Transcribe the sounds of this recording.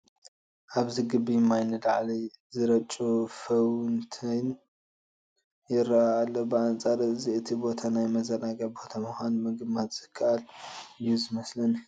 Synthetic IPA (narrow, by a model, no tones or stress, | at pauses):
ʔaβziɡɨbːijmːajnːɨd̪aʕlizɨɾɐt͡ʃʼufɐwnt̪ʰɨn | jɪɾːaːlːobɨant͡sʼaɾɨziɨt̪ʰibo̞t̪ʰanajmɐzɐnaɡɐbo̞t̪ʰamɨxʷanmɨɡɨmat̪z̥ɨkʰːaʔaljuzɨmɐslɐn